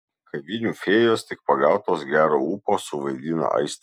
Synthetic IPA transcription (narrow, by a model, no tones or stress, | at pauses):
kɐʋʲiːnʲuːfʲeːjoːst̪ʲɪk̚pɐɡɑˑʊt̪oːsɡʲæːɾoːuːpoːsʊʋɐɪd̪ʲiːnɐ̰ʔɐ̰ɪst̪